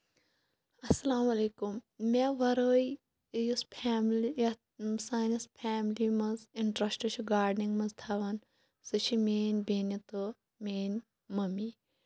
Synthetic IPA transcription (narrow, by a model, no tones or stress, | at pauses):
ɐsɐlaːmɐleːkumːeʋɐɾoːj | juspʰaːmlj | saːnispʰaːmlimɐziɳʈɾɐsʈut͡ʃʰiɡaːɖniŋɡmɐzt̪ʰaʋɐn | sɨt͡ʃʰimeːnʲbeːnit̪o | meːn | mɐmi